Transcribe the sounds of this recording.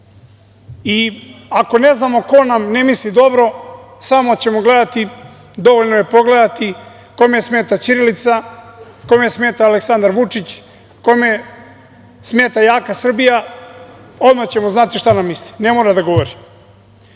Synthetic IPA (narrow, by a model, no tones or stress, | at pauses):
iako̞ne̞znamo̞ko̞namne̞mislid̪o̞bɾo̞samo̞t͡ɕe̞mo̞ɡle̞d̪at̪i | d̪o̞ʋoʎnoje̞po̞ɡled̪at̪i | kojmjsme̞ːt̪at͡ʃiɾilit̪sakojmejesmeːt̪aːleksand̪aɾʋut͡ʂit͡ɕ | ko̞jmeje | smeːt̪ajaːkasr̩bija | od̪mat͡ɕe̞mo̞znat̪iʃt̪anamːisli̥ne̞moːɾad̪aɡo̞ʋo̞ɾi